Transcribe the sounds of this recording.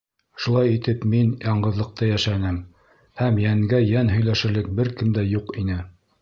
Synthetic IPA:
ʃulˠɑjit̪ɘpminjɑɴɢɤ̆ðlˠɤ̆q̚t̪ɑjæʃænɘm | hæmjæŋɡæjænɦɵ̆jlæʃɘ̆ɾlɘk̚bɘɾkɘmd̪æjuqinɘ

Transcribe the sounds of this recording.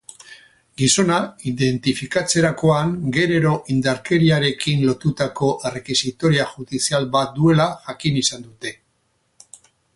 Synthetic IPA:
ɡiso̞naiðe̞nt̪ifikat͡se̞ɾako̞aŋɡe̞ɾe̞ɾo̞ʔind̪aɾke̞ɾiaɾe̞kinlo̞t̪ut̪ako̞ʔe̞re̞kisit̪o̞ɾiaʝuðisialβat̪̚d̪ue̞laʝakinisand̪ut̪e̞

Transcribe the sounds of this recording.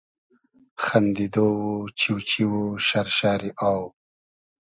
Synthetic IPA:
xand̪id̪owut͡ʃiwt͡ʃiwuʃaɾʃaːɾiʔaːw

